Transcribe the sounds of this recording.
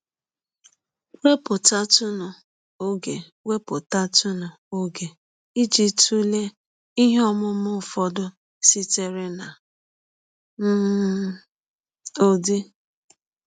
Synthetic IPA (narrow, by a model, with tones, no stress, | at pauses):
we˦pʊ˨ta˦tʊ˦nʊ˨ | o˦ɡe˨ | we˦pʊ˨ta˦tʊ˦nʊ˨ | o˦ɡe˨ | i˦d͡ʒi˦tu˦le˦ | i˦ɦe˦ɔ˦mʊ˦mʊ˦˨fɔ˨dʊ˦ | si˦te˦ɾe˦na˨ | m̩ː˦˨ | o˨dɪ˦